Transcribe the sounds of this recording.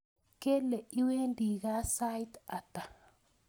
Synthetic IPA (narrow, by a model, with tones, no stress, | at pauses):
ke˦le˨i˦we˦ndi˨ɣa˦sa˦jt̪a˨ta˨